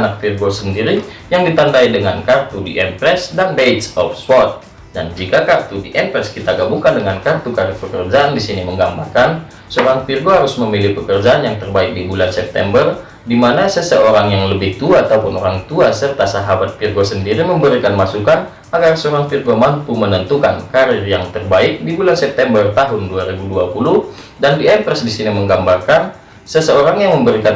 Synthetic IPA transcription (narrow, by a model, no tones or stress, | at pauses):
nak̚firɡosəndiɾi | jaŋdit̪andaidəŋankart̪udiʔɛmpɾɛsdanbet̪sɔfswɔt̪̚ | dand͡ʒikakart̪udiʔɛmpɾɛskit̪aɡabuŋkandəŋankart̪ukaɾəpəkərd͡ʒaʔandisiniməŋɡambakan | səoɾaŋfirɡoɦaɾʊsməmilɪhpəkərd͡ʒaʔanjaŋt̪ərbaɪk̚dibulansɛp̚t̪ɛ̰mbər | dimanasəsəoɾaŋjaŋləbɪht̪uaːt̪aupʊnoɾaŋt̪uasərt̪asaɦabat̪̚firɡosəndiɾiməmbəɾikanmasukan | aɡarsəoɾaŋfirɡomampumənənt̪ukankaɾɪrjaŋt̪ərbaɪk̚dibulansɛp̚t̪ɛmbərt̪aɦʊnduaɾibuduapuluh | dandiɛmpɾəsdisiniməŋɡambarkan | səsəoɾaŋjaŋməmbəɾikan